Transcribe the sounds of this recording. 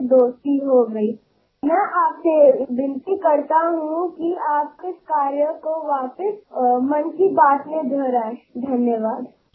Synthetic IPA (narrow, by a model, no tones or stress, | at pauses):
d̪oːst̪iɦoːɡɾɐi | mɛ̃ʔaːpsebɪ̃nt̪ikɐɾt̪aɦũkiaːp̚kɪskaːɾjəkoʋaːpɪsmɐnkibaːt̪med̪ʱoːɾaed̪ʱɐnjəʋaːd̪